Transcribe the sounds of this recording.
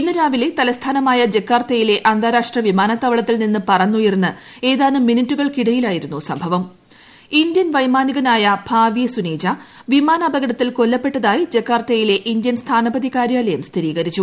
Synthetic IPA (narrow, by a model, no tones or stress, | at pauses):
inːɨɾaːʋile̞t̪ɐlɐst̪ʰaːnɐmaːjɐd͡ʑe̞kːaːrt̪ɐjile̞ʔɐnd̪ʱaːɾaːʂʈrɐʋimaːnɐt̪ːɐʋɐɭɐt̪ːilninːɨpɐrɐnːujirnːɨe̞ːðaːnɨminitːuɣɐɭkiɽɐjilaːjiɾunːusɐmbʱɐʋɐm | indjɐnʋɐjmaːniɣɐnaːjɐbʱaːʋjɐsuneːd͡ʑɐ | ʋimaːnɐbɐɣɐɽɐt̪ːilko̞lːɐpːe̞ʈːɐðaːjid͡ʑe̞kːaːrt̪ɐjile̞ʔindjɐnst̪ʰaːnɐbɐðikaːɾjaːlɐjɐmst̪ʰiɾiːɣɐɾit͡ɕːu